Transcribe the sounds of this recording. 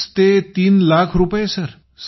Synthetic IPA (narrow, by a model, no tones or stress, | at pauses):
st̪et̪iːnlakʰɾupesəɾ | s